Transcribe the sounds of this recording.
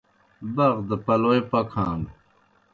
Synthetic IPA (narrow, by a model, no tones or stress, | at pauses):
bɐɣd̪əpɐloːjpɐkʰãːn